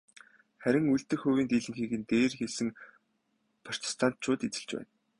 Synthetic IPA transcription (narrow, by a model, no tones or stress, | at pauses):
χæɾʲɪ̆ŋujɬt̪ɘ̆xʊːɣʲiːnt̪iːɮɘ̆ŋxiːkɘ̆nt̪eːrxesɘ̆ŋ | pʰar̥t̪ʰi̥st̪ʰan̥t̪̚t͡ɕʰʊːt̪it͡sɘ̆ɮt͡ɕpæ̰ːn